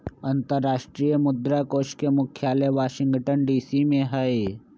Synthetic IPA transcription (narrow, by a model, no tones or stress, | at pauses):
ɐ̃nt̪əɾːaːʃʈɾijəmʊd̪ɾakoːʃkemʊkʰjaːleʋaːʃɪ̃ŋɡʈənɖiːsimẽɦəe